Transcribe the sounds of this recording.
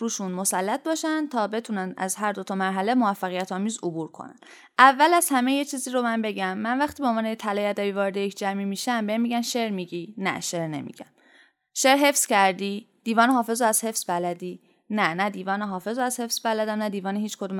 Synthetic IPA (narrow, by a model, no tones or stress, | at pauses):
ɾuːʃunmo̞sælːæt̪̚bɒːʃænd̪t̪ʰɒːbe̞t̪ʰunænʔæ̰zhæɾd̪o̞t̪ʰɒmæɾɦæle̞mo̞væfːæɣijæt̪ʰɒːmiːzobuːɾkʰo̰næ̰n̥ | ʔævːælæz̥hæme̞jet͡ʃʰiːziːɾomænbe̞ɟæmːænvæxt̪iːbeonvɒːnejet̪ʰælɒːjæd̪æbiːvɒːɾed̪ejecʰd͡ʒæmimiʃæmbeimːiːɟæmʃeɾmiɟinæ̰ʃeɾne̞̰mḭɟ̥æm | ʃeɾɦe̞fscæɾd̪iːd̪̥iːvɒːneɦɒːfe̞zoæz̥he̞fsbælæd̪iː | nænæd̪iːvɒːneɦɒːfe̞zoæz̥he̞fsbælæd̪æmnæd̪iːvɒːnehiːt͡ʃkʰo̞d̪uːm